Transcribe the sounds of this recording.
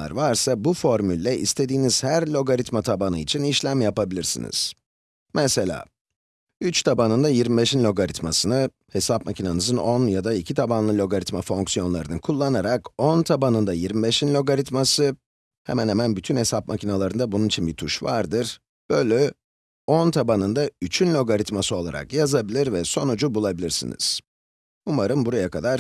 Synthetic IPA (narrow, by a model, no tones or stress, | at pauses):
a̰ɾvaɾsabufo̞ɾmylʲːɛʔḭst̪ʰe̞d̪iːniz̥hæɾlʲo̞ɡaɾit̪mat̪ʰabanɯit͡ʃʰiniʃlʲæmjapabilʲiɾsḭnḭz̥ | mɛselʲa̰ː | yt͡ʃt̪ʰabanɯnd̪ajiɾmibeʃinlʲo̞ɡaɾit̪masɯnɯ | he̞sap̚macʰinanɯzɯnonjad̪aicʰit̪ʰabanlˠɯlʲo̞ɡaɾit̪mafo̞ŋksijo̞nlˠa̰ɾɯnɯkʰulˠːanaɾakont̪ʰabanɯnd̪ajiɾmibeʃinlʲo̞ɡaɾit̪masɯ | hɛ̰mænhɛmænbyt̪ʰynhe̞sap̚macʰinalˠaɾɯnd̪abununit͡ʃʰinbit̪ʰuʃvaɾd̪ɯɾ̥ | b̥øjlʲɛ | o̞nt̪ʰabanɯnd̪ayt͡ʃʰynlʲo̞ɡaɾit̪masɯo̞lˠa̰ɾa̰kjazabilʲiɾvɛso̞nud͡ʒubulˠabilʲiɾsḭnḭz̥ | umaɾɯmbuɾajakad̪aɾ